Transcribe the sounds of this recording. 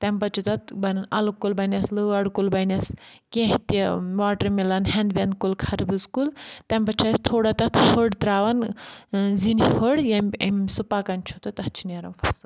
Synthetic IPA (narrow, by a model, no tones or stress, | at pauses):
t̪ɐmpɐt͡ʃʰut̪ɐt̪bɐnɐnɐlukulbɐnʲɐslɨɐɽkulbɐnʲɐskʲẽɦit̪iʋaːʈɐɾmilɐnɦɐnd̪bʲɐnkulkʰɐɾbɨzkult̪ɐmpɐt͡ʃʰɐst̪ʰoːɽɐt̪ɐt̪ʰhoɽt̪ɾaːʋɐn | zinihoɽjɐmʲɐmsupakɐnʲt͡ʃʰut̪ɐt̪ɐt͡ʃʰiniɐɾɐmfʰɐsɨ